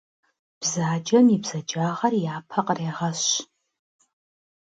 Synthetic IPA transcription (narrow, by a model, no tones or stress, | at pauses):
b̥zaːd͡ʒɐmibz̥ɐd͡ʒaːʁɐrjaːpʰɐqʼreːʁɐɕ